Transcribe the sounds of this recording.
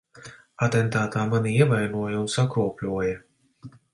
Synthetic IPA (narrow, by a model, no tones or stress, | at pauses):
ɐt̪ɛnt̪aːt̪aːmaniiɛvɐjnuɔjɛuʊnsakɾɔːplʲuɔjɐ